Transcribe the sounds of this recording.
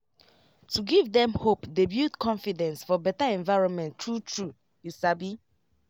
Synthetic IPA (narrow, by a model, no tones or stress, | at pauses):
tuɡivdɛ̃mhopdebjutkʰɔ̃nfidɛ̃nsfɔbɛtaɛ̃nvaɪɹɔ̃nmɛ̃ntʰɹutʰɹu | jisabi